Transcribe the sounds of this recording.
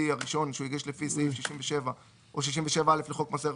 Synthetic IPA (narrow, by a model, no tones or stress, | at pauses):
iaʁiʃo̞nʃeuiɡiʃlefiseifʃiʃimveʃeva | ʔoʃiʃ̬imveʃe̞vaale̞fleχo̞kmase